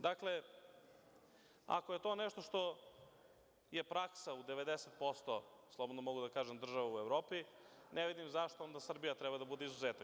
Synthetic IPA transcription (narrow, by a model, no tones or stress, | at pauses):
d̪akle | a̰koje̞t̪o̞nɛʃt̪o̞ʃt̪o̞ | je̞pɾaksaud̪e̞ʋe̞d̪eset̪̚po̞st̪oslˠobo̞d̪nomoɡud̪akaːʒemd̪r̩ʒaʋauevɾoːpi | nʔeʋid̪imzaʃt̪oond̪asr̩bijat̪ɾɛbad̪abud̪eizuzeːt̪a